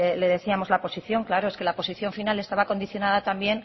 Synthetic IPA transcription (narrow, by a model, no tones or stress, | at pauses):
le̞ðe̞θiamo̞zlapo̞siθjo̞ŋklaɾo̞eske̞lapo̞siθjo̞ɱfinalest̪aβako̞nd̪iθjo̞nað̞at̪ambje̞n